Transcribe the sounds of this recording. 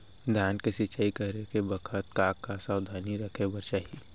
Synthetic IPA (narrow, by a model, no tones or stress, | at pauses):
d̪ʱjaːnkesɪt͡ʃaːikɐɦɾekebɐkʰət̪̚kaːkːasaːwd̪ʱaːniɾɐkʰebɐɾt͡ʃaːɦi